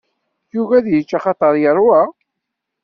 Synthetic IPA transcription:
juvæðjət͡ʃːɑχɑt̪ˤəɾˤjəɾˤwa

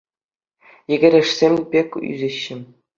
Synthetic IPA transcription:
jɘ̆ɡʲɘ̆ɾʲɘ̆ʂsʲemʲbʲekʲy̰zʲɘ̆ɕːɘ̆

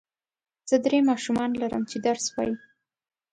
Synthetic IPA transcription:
z̥əd̪ɾemɑʃumɑnlaɾə̰mt͡ʃed̪aɾswɑ̰ji

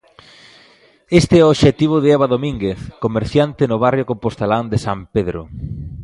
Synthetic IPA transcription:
est̪eɛoβʃet̪iβ̞ʊðeɛβaðomĩŋɡeθkomeɾθjant̪ɪnoβ̞arjokompost̪eland̪esampeðɾo̰

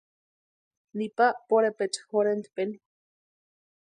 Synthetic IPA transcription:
nipaʔpoɾepet͡ʃhoɾent̪peni

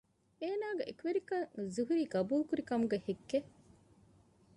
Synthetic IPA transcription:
eːnaːɡeʔekuʋeɾikɐŋzuɦuɾiːɡɐbuːlkuɾikɐmuɡehekːe

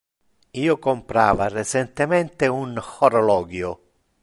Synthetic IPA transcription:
iːʊkompɾa̰ːvaret͡ʃent̪ement̪eunxoɾolɔːɡjʊ

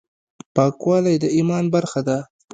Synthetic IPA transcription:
pɑkwɑlajd̪əimɑnbaɾxad̪a

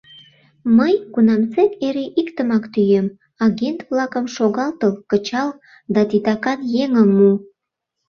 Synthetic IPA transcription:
məjkunɑmt͡sekeɾeʔikt̪əmɑkt̪yjem | ɑɣent̪vlɑkəmʃoɣɑlt̪əlkət͡ɕɑl | d̪ɑt̪it̪ɑkɑnjeŋəmːu

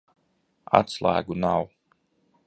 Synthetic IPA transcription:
a̰t̪slˠæ̰ːɡunaw

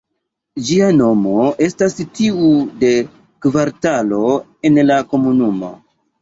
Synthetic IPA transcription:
d͡ʒiano̞mo̞e̞stastiude̞ | kvaɾtalo̞ | e̞nlako̞munumo̞̰

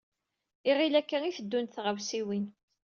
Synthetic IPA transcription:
iʁilækːæŋiθəd̪ːunθʁəvsiwin

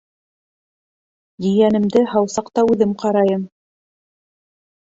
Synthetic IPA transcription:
j̪ĭjænɘ̆md̪ɘhɑwsɑqt̪ɑʉðɘmqɑɾɑjɤm

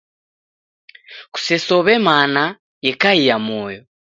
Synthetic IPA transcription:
ku̥sesoβemaːna | jekajijamoːjo

